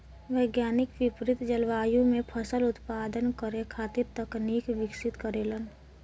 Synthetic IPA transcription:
ʋəɪɡjaːnɪkʋɪpɾɪt̪d͡ʒəlʋaːjõmẽpʰəsəlʊt̪paːd̪ənkəɾekʰaːt̪ɪɾt̪əkniːkʋɪkʃɪt̪kəɾeːlən

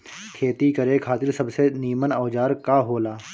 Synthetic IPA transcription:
kʰeːt̪ikəɾekʰaːt̪ɪɾsɐbseniːmənaːd͡ʒaːɾkaɦoːlaː

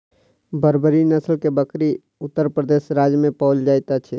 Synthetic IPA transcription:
bəɾbəɾinəslkebəkɾi | ʊt̪ːəɾpɾəd̪esɾad͡ʒjəmẽpɔld͡ʒajt̪at͡ʃʰɛ

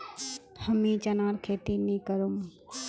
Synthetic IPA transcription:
həmĩt͡ʃɐnaːɾkʰeːt̪inĩkəɾum

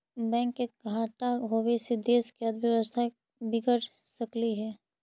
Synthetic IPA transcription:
bɛ̃ːŋkːeɡʱaːʈaɦowesed̪eːskeəd̪bjəʋəst̪ʰa | bɪɡəɾ | səkliɦɛː

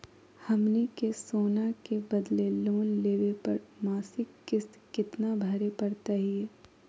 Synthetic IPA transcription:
hɐmnikesoːnakebɐd̪leloːnleːʋepɐɾmaːsɪkːɪskɪt̪nabʱɐɾepɐɾt̪aɦiɛː

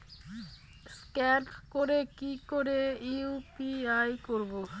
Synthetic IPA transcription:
skɛʈkoɾekikoɾeiupiajkoɾbo

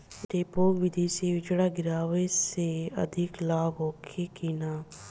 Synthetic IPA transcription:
ɾeːpoːɡʋɪd̪iːseːʋɪt͡ʃɽaːɡɪɾaːʋeːseːə̰d̪ʱɪklaːbɦoːkʰeːkiːnaː

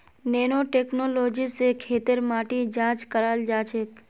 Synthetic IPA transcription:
neːnoʈeːknoːloːd͡ʒisekʰeːt̪əɾmaːʈid͡ʒãːt͡ʃkəɾaːld͡ʒaːt͡ʃʰek

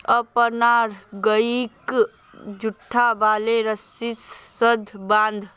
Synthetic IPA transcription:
əpənaɾɡəik | d͡ʒuʈʰːaʋaːleɾəsisːəd̪ʱbãːnd̪ʱ

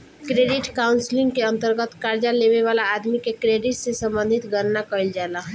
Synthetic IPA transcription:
kɾeɖiʈkaʊnsliŋɡkeənt̪əɾɡət̪kaɾd͡ʒaleβeβalaːd̪mikekɾeɖiʈsesə̃mbə̃nd̪ʱit̪ɡənnakəjld͡ʒalaɦ

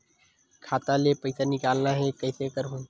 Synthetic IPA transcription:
kʰat̪alepəjsanikalnaɦekəjsekəɾɦoj

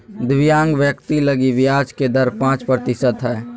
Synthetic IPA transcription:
d̪ʋijãːŋɡʋjəkt̪iləɡiʋɪjaːd͡ʒked̪əɾpãːt͡ʃpɾət̪ɪsət̪ɦɛː

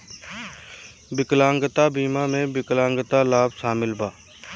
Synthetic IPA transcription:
bɪklãːŋɡət̪abiːmamẽbɪklãːŋɡət̪alaːbsaːmɪlbaː

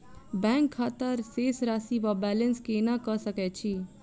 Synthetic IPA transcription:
bɛ̃ŋkʰːat̪əɾsesɾasiʋabɛlenskenakəsəkɛt͡ʃʰi

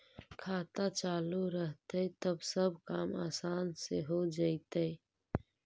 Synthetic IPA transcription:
kʰaːt̪at͡ʃaːluɾəɦt̪eet̪əbsəbkaːmaːsaːnseɦod͡ʒait̪ee

